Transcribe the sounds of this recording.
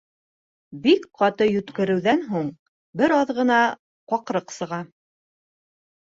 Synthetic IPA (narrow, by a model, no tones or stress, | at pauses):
bikqɑt̪ɤjɵ̆t̪kɘ̆ɾɘ̆wðænɦuɴ | bɘɾɑðʁɤ̆nɑ | qɑqɾɤqsɤ̆ʁɑ